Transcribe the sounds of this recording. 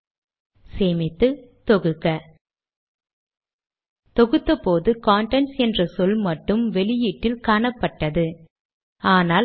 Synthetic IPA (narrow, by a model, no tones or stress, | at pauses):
seːmɪt̪ːɯt̪ɔɣɯkːɐ | t̪ɔɣɯt̪ːɐpoːðɯkaːɳʈɛnsɛndrɐsɔlmɐʈːɯmʋɛɭɪjiʈːɪlkaːɳɐpːɐʈːɐðɯ | aːnaː